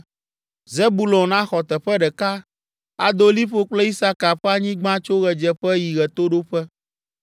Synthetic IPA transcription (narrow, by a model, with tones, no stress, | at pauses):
ze˦bu˨lɔ̃˨nã˦xɔ˨t̪ɛ˨ɸɛ˦ɖɛ˨ka˦ | a˨d̪o˦li˦ɸo˦k͡plɛ˦i˦sa˦ka˨ɸɛ˦a˦ɲĩ˦ɡ͡bã˦t͡ʃo˦ɣɛ˨d͡ʒɛ˦ɸɛ˦ji˨ɣɛ˨t̪o˦ɖo˦ɸɛ˦